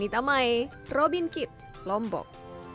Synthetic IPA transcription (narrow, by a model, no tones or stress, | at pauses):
nit̪amae | rɔbinkɪt̪̚ | lɔmbɔ̰k̚